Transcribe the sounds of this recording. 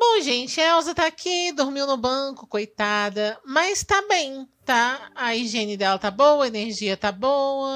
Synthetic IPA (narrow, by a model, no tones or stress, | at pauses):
bõw̃ʒẽnt͡ʃɪɛwzɐt̪aːkʰid̪oɾmiwnʊbɐ̃kʊkojt̪ad̪ɐmɐst̪ɐ̃bẽj̃t̪aɐiʒẽnɪd̪ɛlɐt̪abowɐeneɾʒiɐt̪abowɐ